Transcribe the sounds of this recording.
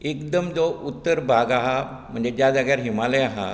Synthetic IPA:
ekd̪əmd͡zout̪ːəɾbʱaɡaɦa | m̤əɳd͡zed͡ʑjad͡zaɡjaɾɦimaləjaɦa̰

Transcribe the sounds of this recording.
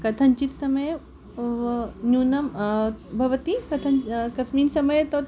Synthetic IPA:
kɐt̪ʰɐɲt͡ʃit̪sɐmɐj | njuːnɐmbʱɐʋɐt̪ikɐt̪ʰɐnkɐsmiːnsɐmɐjt̪o

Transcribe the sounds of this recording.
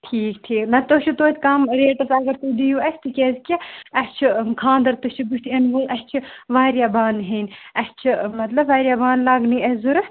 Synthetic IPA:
ʈʰiːkʈʰiːknɐt̪oːʃʰut̪oːt̪ʲkɐmɾeːʈɐsɐɡɐɾt̪ud̪ijuɐst̪ɨkʲezkʲiɐst͡ʃʰikʰãːnd̪ɐɾt̪ut͡ʃʰubuʃt̪ʰiɐnʋoʔɐst͡ʃʰiʋaːɾjabaːnɦenɐst͡ʃʰimɐt̪lɐbʋaːɾʲjabaːnlaɡniːɐzuɾ

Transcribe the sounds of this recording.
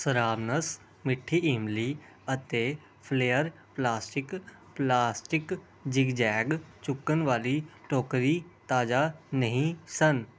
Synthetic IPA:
səɾaːʋnəs | mɪʈʰːiiːmli | ət̪e | pʰleːəɾ | plaːsʈɪk | plaːsʈɪk | d͡ʒɪɡd͡ʒɛːɡt͡ʃʊkːənʋaːliʈoːkɾit̪aːd͡ʒanəɦĩsən

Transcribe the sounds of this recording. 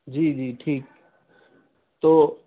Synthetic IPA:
d͡ʒiːd͡ʒiːʈʰiːk̚ | t̪oː

